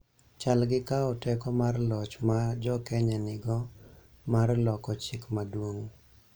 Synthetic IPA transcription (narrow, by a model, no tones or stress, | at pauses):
t͡ʃalɡɪkaɔtɛkɔmarlɔt͡ʃmad͡ʒɔkɛɲanɪɡɔ | marlɔkɔt͡ʃɪkmadwoŋ